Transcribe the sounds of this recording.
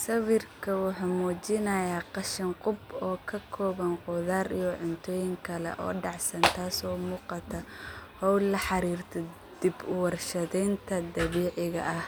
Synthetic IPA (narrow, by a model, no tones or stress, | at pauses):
sɐwɪrkʰɐwɑħɑːmuːt͡ʃɪnɐjaːqɑʃɪnqʊbɔːkʰɐkʰɔːβɐnqʊðaːɾḭjɔʕʊnt̪ʰɔːjɪŋkʰɐlɛ̰ʔɔ̰ːɖɑʕsɐnt̪ʰaːsɔːmuːqɑt̪ʰɐhɔwlɐħɑɾiːrt̪ʰɔ | d̪̥ɪbwɑrʃɐðɛnt̪ʰɐd̪ɐβiːʕɪɣɐ̰ʔɐh